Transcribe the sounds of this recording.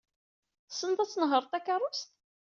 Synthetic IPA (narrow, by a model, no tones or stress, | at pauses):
θsːənt̪æt͡sːnəɦəɾˤt̪ˤækɑrˤːʊst̪